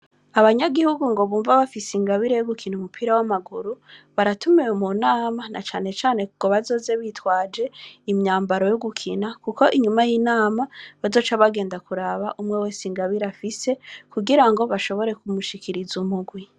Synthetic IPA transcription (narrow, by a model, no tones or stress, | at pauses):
aβaɲaɡihuɡuŋɡo̞βuːɱvaβafisiŋɡaβiɾejoɡukʰinumupʰiɾawamaɡuɾuβaɾatumewumunaːmanʔa̰t͡ʃaːne̞t͡ʃaːne̞kukoβazo̞ːze̞βitwaːd͡ʒe̞imɲaːmbaɾo̞joɡukʰinakuko̞ʔiɲumajinaːmaβazo̞ːt͡ʃaβaɡe̞ːndakuɾaβaʔumŋewesiŋɡaβiɾafise̞kuɡiɾaŋɡo̞βaʃo̞βo̞ɾe̞kumuʃikʰiɾizumuɡwi